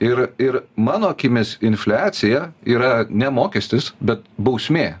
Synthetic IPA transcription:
ɪɾɪɾmɑːnoːkʲiːmʲɪsɪnʲfʲlʲæːt̪sʲɪjɛiːɾɐnʲɛmoːkʲɛsʲt̪ʲɪsbʲɛt̪̚bɐʊsʲmʲeː

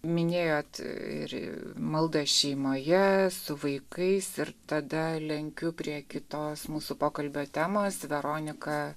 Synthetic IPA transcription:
mʲɪnʲeːjoːt̪ɪ̰ɾ̰mɐlˠd̪ɐʃʲɛɪmoːjɛsʊʋɐɪkɐɪsɪɾt̪ɐd̪ɐlʲɛŋʲkʲʊpʲɾʲiɛkʲɪt̪oːsmuːsʊpoːkɐlʲbʲoːt̪ʲæːmoːsʋʲɛɾoːnʲɪkɐ

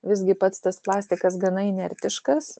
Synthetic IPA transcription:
ʋʲɪzʲɡʲɪpɐt̪st̪ɐsplˠɑːsʲt̪ʲɪkɐs̬ɡɐnɐɪnʲɛɾʲt̪ʲɪʃkɐs

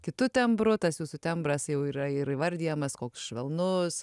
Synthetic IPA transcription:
kʲɪt̪ʊt̪ʲɛmbɾʊt̪ɐsjuːsʊt̪ʲɛmbrɐsjɛʊiːɾɐɪɾɪʋɐɾʲd̪ʲiːjɛmɐskoːkʲʊ̥sʃʲʋʲɛlˠnʊs

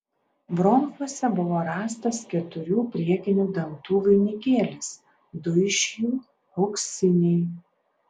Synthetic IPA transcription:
bɾɔŋkˠuɔsʲɛbʊʋoːɾɑːst̪ɐskʲɛt̪ʊɾʲuːpʲɾʲiɛkʲɪnʲuːd̪ɐnt̪uːʋʲʊɪnʲɪkʲeːlʲɪs | d̪ʊɪʃʲjuː | ɒʊksʲɪnʲɛɪ

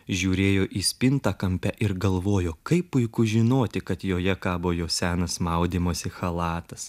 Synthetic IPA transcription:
ʒʲuːɾʲeːjoːʔiːsʲpʲɪnt̪ɑːkɐmʲpʲæʔɪɾɡɐlˠʋoːjoːkɐɪppʊɪkʊʒʲɪnoːt̪ʲɪkɐt̪joːjɛkɑːboːjoːsʲæːnɐsmɐʊd̪ʲiːmoːsʲɪxɐlˠɑːt̪ɐs

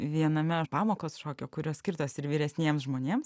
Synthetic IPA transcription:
ʋʲiɛnɐmʲɛpɑːmoːkoːsʃoːkʲoːkʊɾʲoːsʲkʲɪɾt̪oːsɪɾʋʲiːɾʲɛsʲnʲiɛmsʒmoːnʲeːms

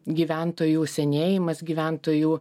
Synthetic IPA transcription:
ɡʲiːʋʲænt̪oːjuːsʲɛnʲeːjɪmɐsɡʲiːʋʲæˑnt̪oːjuː

